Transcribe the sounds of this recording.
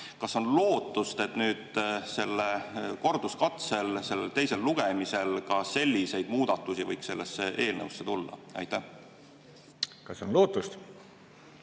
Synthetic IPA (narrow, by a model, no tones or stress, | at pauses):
kɑso̞nlo̞ːt̪ːˑust̪e̞t̪nyːd̪̥se̞lːeko̞rd̪̥uskɑt̪se̞lse̞lːelt̪e̞jse̞lːuɡ̥emise̞lkɑse̞lʲːise̞jd̪muːd̪̥ɑt̪ːˑusivɤjkse̞lːesːeʔe̞ːlnə̰wsːe̞t̪ulːɑ̰ɑ̰jt̪ːæ | kɑsonlo̞ːt̪ːˑust̪